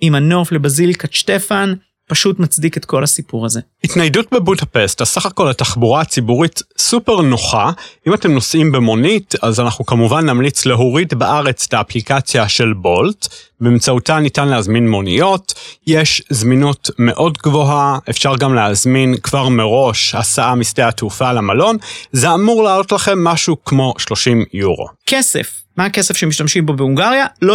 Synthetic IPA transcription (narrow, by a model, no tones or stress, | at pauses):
imano̞flebazilkatʃtefan | paʃutmat͡sdiketko̞lhasipuʁaze̞hitnajdutbebudapestasaχako̞lataχbuʁaːt͡sibuʁitsupeʁnoχaimate̞mno̞sʔimbemo̞nitazanaχnukamuvanːamlit͡sleɦuʁitbaʔaʁe̞t͡staːplikat͡sjaʃe̞lbo̞ltbemt͡sautanitanlehazminmo̞nḭjo̞tjeʃzminutme̞ʔo̞dɡvo̞ɦaʔefʃaʁɡamleazminkv̥aʁmeʁo̞ʃhasaʔamisteatufalamalo̞nzeamuʁlaːlo̞tlaχe̞mːaʃukmo̞ʃlo̞ʃimjuʁo̞̰kesḛf | maakesefʃemiʃtamʃimbobeuŋɡaʁjalo